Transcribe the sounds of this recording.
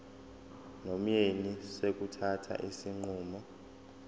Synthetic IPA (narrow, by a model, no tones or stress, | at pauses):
nom̩jenisek̬utʰatʰa̰ʔisiŋ͡ǃuːmɔ